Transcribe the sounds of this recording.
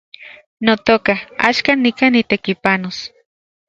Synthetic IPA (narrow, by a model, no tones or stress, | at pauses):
not̪okaa̰ʃkanːikanit̪ekipanos